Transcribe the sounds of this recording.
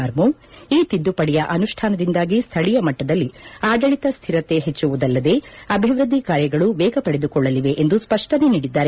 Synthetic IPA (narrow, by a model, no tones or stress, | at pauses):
aːɾmu | iːt̪id̪ːupɐɽɛjɐʔɐnuʂʈʰaːnɐd̪ind̪aːɡist̪ʰɐɭijɐmɐʈːɐd̪ɐlːiaːɡɐɭit̪ɐst̪ʰiɾɐt̪ːe̞ɦet͡ʃːuʋud̪ɐlːɐd̪e̞ɐbʱiʋɾud̪ʱːikaːɾjɐɡɐɭuʋɛːɡɐpɐɽed̪ukɔɭːɐliʋe̞ʔend̪uspɐʂʈɐne̞niːɽid̪ːaːɾe